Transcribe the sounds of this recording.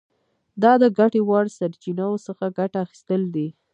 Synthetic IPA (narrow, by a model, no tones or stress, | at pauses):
d̪ɑd̪əɡaʈewɑɽsaɾt͡ʃinawosəxaɡaʈaːxi̥st̪əld̪i